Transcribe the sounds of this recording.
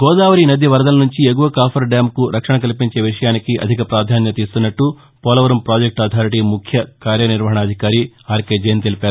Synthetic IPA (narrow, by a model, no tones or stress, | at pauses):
ɡɔːd̪aːʋɐɾinɐd̪iʋɐɾd̪ɐlɐnuɲt͡ʃiek̬uʋɐkaːpʰɐɾɖaːmkuɾɐkʂɐɳɐk̬ɐlipiɲt͡ʃe̞ːʋiʂɐjaːnikiʔɐ̰d̪ʱikɐpɾaːd̪ʱaːnjɐt̪iːst̪unːɐʈːu | pɔːlɐʋɐɾɐmpɾaːd͡ʒek̚ʈaːt̪ʰaːɾiʈimukʰjɐkaːɾjɐniɾʋɐɦɐɳɐːd̪ʱikaːɾiaːɾkeːd͡ʒɐjɐnt̪e̞lipeaːɾu